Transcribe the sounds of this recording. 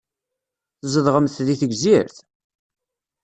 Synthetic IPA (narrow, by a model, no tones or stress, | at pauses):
θzəðʁəmθðiθəɡziɾθ